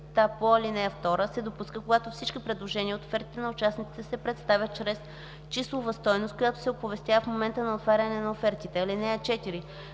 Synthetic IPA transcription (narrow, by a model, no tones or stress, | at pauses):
t̪apoilinɛft̪ɔɾəsɛd̪opuskəkoɡat̪ofsit͡ʃkipɾɛd̪lˠoʒɛniəot̪o̥fɛɾt̪i̥t̪ɛnɐʊt͡ʃasnit̪i̥t̪ɛsɛpɾɛt̪st̪avʲət̪̚t͡ʃɾɛs | t͡ʃislˠovɐst̪ɔjnost̪̚kojat̪o̥sɛopovɛst̪ʲjavəfmomɛnt̪ənɐot̪vaɾʲənɛnɐofɛɾt̪it̪ɛɐlinɛt͡ʃɛt̪iɾi